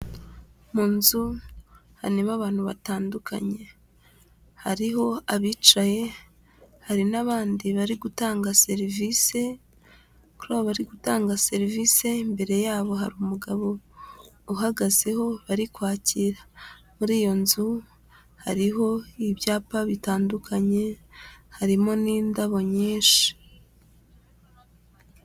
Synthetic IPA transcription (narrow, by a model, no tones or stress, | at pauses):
muːnzu | haneβaβaːn̥huβataːndukʰa̰ɲe̞ | haɾiɦo̞aβiːt͡ʃaje̞ | haɾinaβaːndiβaɾiɡutaːŋɡase̞ɾivise̞ | kuɾaβaβaɾiɡutaːŋɡase̞ɾivise̞mbe̞ɾe̞jaːβo̞ɦaɾumuɡaβo̞ | uɦaɡaze̞ho̞βaɾikwaːciɾa | muɾiːjo̞nzu | haɾiɦo̞iβjaːpaβitaːndukʰaɲe̞haɾimo̞niːndaβo̞ɲiːnʃi̥